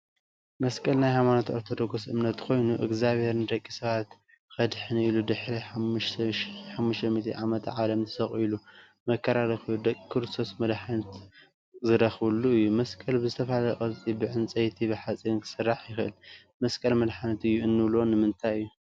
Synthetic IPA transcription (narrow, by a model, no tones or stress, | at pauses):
mɐskʼɐlnajhajmanot̪ʔoɾt̪ʰo̞d̪o̞ɡosɨmnɐt̪kʰo̞jnuʔɨɡzaβhe̞ɾnɨd̪ɐkʼːisɐβat̪ | kɐd̪ħɨniilud̪ɨħɾiħaʃʃħamːuʃt̪ʰɐmit̪ʰiʕamɐt̪ʕalɐmt̪ʰɨsɐχʼilu | mɐkʰːɐɾaɾɐxilud̪ɐkʼkʰɨɾɨst̪ʰo̞smɐd̪ħanɐt̪ | zɨɾɐxβɨlːuɨjːumɐskʼɐlbɨzɨt̪ʰɐfalalɐkʼɐt͡sʼibɨʕɨnt͡sʼɐjt̪ʰibɨħat͡sʼinkʰɨ̥sɨrːaħjɪxɨʔɨ̰l | mɐskʼɐlmɐd̪ħanɐt̪ɨjːuɨnːɨβlo̞nɨmɨnt̪ʰajɨjːu